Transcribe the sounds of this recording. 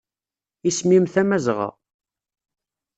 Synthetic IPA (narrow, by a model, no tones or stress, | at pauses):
ismimθæmæzʁə̰ʁ